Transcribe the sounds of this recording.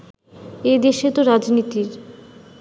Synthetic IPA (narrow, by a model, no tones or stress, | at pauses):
ed̪eʃet̪oɾad͡ʑnit̪iɾ